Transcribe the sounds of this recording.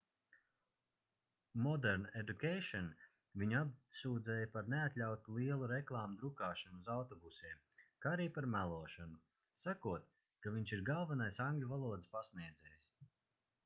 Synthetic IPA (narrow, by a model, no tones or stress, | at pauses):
mɔd̪ɛɾned̪ukʲejʃɔn | viɲabsuːd̪zɛːjapaɾneat̪ʲlʲawt̪ulˠiɛlˠuɾeklˠaːmud̪ɾukaːʃanuzawt̪ɔbusiɛm | kaaɾiːpaɾmælˠuɔʃanu | sakuɔt̪ | kaviɲt͡ʃiɾɡalˠvanajsaŋɡlʲivalˠuɔd̪spasniɛd̪zɛːjis